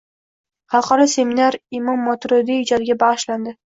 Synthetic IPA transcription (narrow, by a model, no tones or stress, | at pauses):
hɑlˠqɑɾase̞minaɾɪmɒmːɒt̪ɾod̪iːd͡ʒɒd̪ɪɡʲabɑʁɨʃland̪ɪ